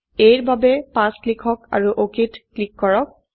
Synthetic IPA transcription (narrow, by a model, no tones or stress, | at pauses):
ejɹbabɛpãsklikʰɔka̰ɹuʔokitklikːɔɹɔk̚